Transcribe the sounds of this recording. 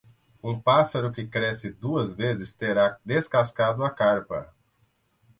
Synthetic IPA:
ũpasɐɾʊkɪkɾɛsɪd̪uɐzvezɪst̪eɾad̪eskaskad̪ʊɐkaɾpɐ̰

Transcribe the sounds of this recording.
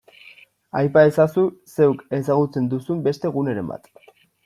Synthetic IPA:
ajpae̞sasuse̞wke̞s̬aɣut͡se̞nd̪usumbe̞st̪e̞ɣ̞une̞ɾe̞̰mba̰t̪

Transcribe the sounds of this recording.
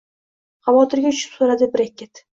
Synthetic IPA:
χɑvɒt̪ʰɪɾɡʲaʊt͡ʃʰɪ̥psoɾad̪ɪbɪɾek̚ʲʰːet̪

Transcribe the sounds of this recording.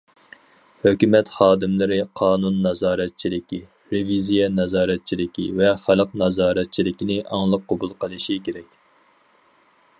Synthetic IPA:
høkʲymɛt̪χɑːd̪ɪmlɪɾɪqʰɑːnunːɑzɑːɾɛt̪̚t͡ʃʰilɪkʲi | ɾevizijɛnɑzɑːɾɛt̪̚t͡ʃʰilɪkʲḭvɛχælˠəqnɑzɑːɾɛt̪̚t͡ʃʰilɪkʲinɪʔɑ̰ŋlˠəqʰːobulˠqʰəlˠɨʃikʲeɾɛkʲ

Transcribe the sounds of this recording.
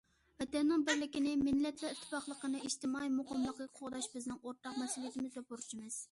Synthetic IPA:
vɛt̪ɛnːunbɪɾlɪkʲinɪmɪnːɛt̪ʰlɛɪt̪ʰːɪ̥pɑχlˠəqənɨiʃt̪ɪmɑimʊqʰɑmlˠəqʲɑqʰoʁd̪ɑʃbɪznɪŋoɾt̪ʰːɑqmɛsulˠijet̪ʰɪmɪzd̪ɛpʰoɾt͡ʃʰimɨz̥

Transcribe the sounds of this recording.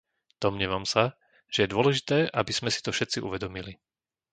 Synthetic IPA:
d̪̥ɔmɲɛʋamsa | ʒ̥ɛjɛd̪ʊɔlɛʒit̪ɛːʔabiz̥mɛsi̥t̪ɔfʃɛt̪t͡siʔṵʋɛd̪ɔmili

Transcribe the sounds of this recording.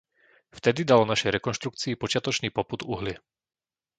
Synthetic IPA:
ft̪ɛd̪id̪alɔnaʃɛjɾɛkɔnʃt̪ɾuk̚t͡siːpɔt͡ʃɪat̪ɔt͡ʃniːpɔpud̪uɦlɪɛ

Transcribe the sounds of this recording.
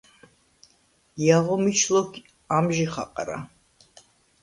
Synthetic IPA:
jaʁɔmit͡ʃʰlɔk | amʒiχa̰qʼɾa̰

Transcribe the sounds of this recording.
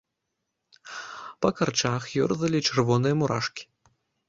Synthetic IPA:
pɐkɐrt͡ʂaxjɔ̰rzɐlʲit͡ʂɛrvɔnɨjɐmuɾa̰ʂkʲi̥

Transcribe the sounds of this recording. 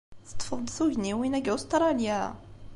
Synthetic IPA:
θə̥t̪ˤːfəðd̪ˤθuʝniwinæɡæust̪ɾˤɑljæ

